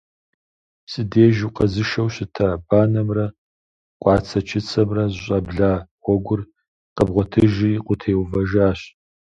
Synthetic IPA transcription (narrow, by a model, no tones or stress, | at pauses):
psʼɨdeːʒuqʼɐzɨʃɐwɕɪtʰabaːnɐmrɐ | qʷʼɑːt͡sʰɐt͡ʃʰɪt͡sʰɐmrɐzɕʼɐbɮaːwʷɔɡʷʊr | qəbʁʷɔtʰɨʒiqʷʼʊtʰeːwvɐʒaːɕ